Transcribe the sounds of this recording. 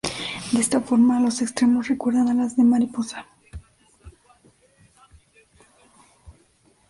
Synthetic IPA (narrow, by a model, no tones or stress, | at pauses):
d̪eest̪afo̞ɾmalo̞se̞kst̪ɾe̞mo̞sre̞kwe̞ɾðanalazðe̞maɾiposḁ